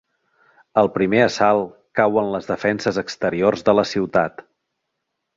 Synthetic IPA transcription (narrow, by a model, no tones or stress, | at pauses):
əlˠpɾimeəsalˠkawənləzðəfɛnsəzəkst̪əɾiorzðələsiwt̪at̪